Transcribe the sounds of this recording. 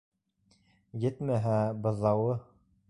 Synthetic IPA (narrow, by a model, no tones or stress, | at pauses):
jɘt̪mæɦæbɤ̆ðɑwɤ